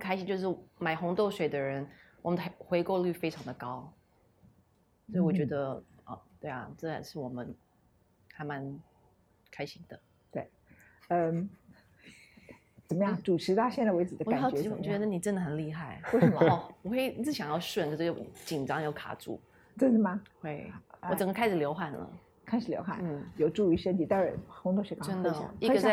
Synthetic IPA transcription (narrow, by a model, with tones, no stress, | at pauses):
kʰa˥ɪɕi˧˥ŋt͡ɕjo˥˧ʊʂ̬ɻ̩˥˩ma˨˩ɪxʊ˧˥ŋt̪o˥˩ʊʂwe˨˩ɪd̪ə˦ɻə˧˥nwɔ˨˩ə˦nxwe˧˥ɪko˥˧ʊly˥˩fe˥ɪʈ͡ʂʰɑ˧˥ŋd̪ə˨˧kɑ˥ʊ | sɔ˧˥i˧˩wɔ˨˩t͡ɕɥɛ˧˥d̪ə˧ɔ̰˥˩t̪we˥˩ɪa̰˨˩ʈ͡ʂə˥˩a̰˨˩ʂɻ̩˥˩wɔ˨˩mə˦n | xa˧˥ɪma˧˥n | kʰa˥ɪɕi˧˥ŋd̪̥ə˨ | t̪we˥˩ɪ | ə˧ | t͡sə˨˩mə˦jɑ˥˩ŋʈ͡ʂu˨˩ʈ͡ʂʰɻ̩˧˥t̪a˥ɕjɛ˥˩na˥˩we˧˥ɪt͡s̩˨˩d̪ə˦˨kt͡ɕɛ˧˥˩t͡ɕɥɛ˧˥d̪ə˧ni˨˩ʈ͡ʂə˥nd̪ə˨˩xə˨˩nli˥˧xa˥˩ɪwe˥˩ɪʂə˨˩mə˦ɔ˥˩ɔ˨˩kwe˥˩ɪ˥˧t͡s̩˥˩ɕjɑ˨˩jɑ˥˧ʊʂwə˥˩nkʰə˨˩ʂ̩˥˩jo˥˩ʊt͡ɕi˨˩nʈ͡ʂɑ˥ŋjo˥˩ʊkʰa̰˨˩ʈ͡ʂṵ˥˩ | t͡swe˥nə˥˩mɐ˩xwe˥˩ɪwɔ˧˩ʈ͡ʂə˨˩ŋɡə˥kʰa˥ɪʂɻ̩˨˩ljo˧˥ʊxa˨˩nlə̰˩ | kʰa˥ɪʂɻ̩˨˩ljo˧˥ʊxa̰˨˩n̩˥˩jo˨˩ʊʈ͡ʂu˥˩y˧˥ʂə˥nt̪ʰi˨˩t̪a˥˧ə˥˩xʊ˧˥ŋt̪ʰo˥˩ɕɛ˧˥kɑ˥˧ə˥nd̪i˥ɡɕ